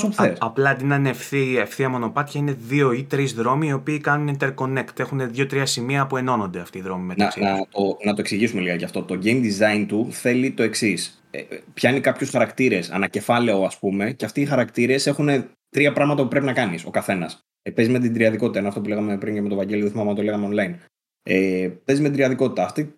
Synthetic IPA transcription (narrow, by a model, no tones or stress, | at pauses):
sopθesɐplɐd̪inɐnefθiefθiɐmo̞no̞pɐt̪çɐine̞ðio̞it̪ɾizðɾo̞miːo̞piːkɐnunint̪e̞ɾko̞ne̞kt̪e̞xune̞ðʝo̞t̪ɾiɐsimiɐpue̞no̞no̞nd̪eɐft̪iːðɾo̞mimetɐsnɐt̪onɐt̪o̞e̞ksiʝisume̞liɣɐcɐft̪o̞t̪o̞ɟejmd̪izɐjnt̪uθe̞lit̪o̞e̞ksis | ḛpçɐinekɐpçosxɐɾɐkt̪iɾe̞sɐ̰nɐce̞fɐle̞oɐspume̞ceɐft̪iixɐɾɐkt̪iɾe̞se̞xune̞ | t̪ɾiɐpɾɐɣmɐt̪ɐpupɾe̞pinɐkɐniso̞̰kɐθe̞nɐs | pe̞zizme̞t̪̬id̪ɾiɐðikot̪t̪ɐenoɐft̪opuleɣɐme̞pɾiɲcemet̪o̞vɐɲɟe̞loðθimɐmnɐt̪ole̞ɣɐmeo̞nlɐjn | epe̞zizmet̪id̪ɾiɐðiko̞t̪i̥t̪ɐːft̪i